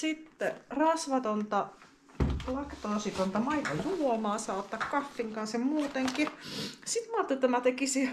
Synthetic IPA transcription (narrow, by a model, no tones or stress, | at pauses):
sit̪ːerɑsʋɑt̪ont̪ɑ | lɑkt̪oosit̪ont̪ɑmɑit̪ɑjulomɑːsɑːot̪ːɑkkɑfːiŋkɑnsjɑmuːt̪eŋkisit̪mɑːt̪ːot̪æmæt̪ekisi